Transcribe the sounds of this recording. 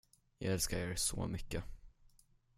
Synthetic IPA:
jɑːɡɛlskaɾeːɾsɔ̰ːmʏkːə

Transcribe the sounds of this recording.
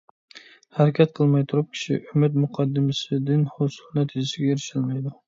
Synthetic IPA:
hæɾakʲʰat̪̚qʰəlˠmɑjt̪ʰuɾʊp̚kʲʰɪ̥ʃɪ̰ʔʊmɪt̪mʊqʰɑd̪ːɪmasɪd̪ɪnhosʊlnæt̪ʰɪd͡ʒɪsɪɡʲɛeɾɪʃɪlmajd̪ʊ

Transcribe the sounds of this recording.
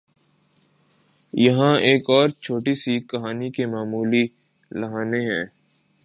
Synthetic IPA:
jɐɦãeːkɔːɾt͡ʃʰoːʈisikɐɦaːnikemaːmuːli | lɐɦaːneɦɛ̃ː

